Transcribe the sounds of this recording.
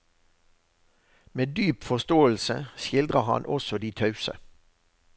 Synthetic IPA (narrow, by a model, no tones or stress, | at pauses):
meːd̪yːpfɔʁst̪oːəl̩səʃɪld̪ʁəhɑ̰nʔɔsɔd̪iːt̪ʰɑʉsə̰